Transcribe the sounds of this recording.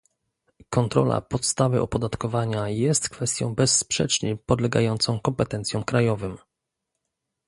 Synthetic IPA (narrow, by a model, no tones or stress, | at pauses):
kɔnt̪ɾɔ̰la̰pɔt̪st̪avɘʔɔpɔd̪at̪kɔvaɲajɛst̪kfɛst̪ʲjɔ̰̃w̃bɛsːpʂɛ̰t͡ʂɲipɔd̪lɛɡa̰jɔnt̪sɔ̃w̃kɔmpɛt̪ɛnt̪sʲjɔ̃w̃kɾajɔvɘm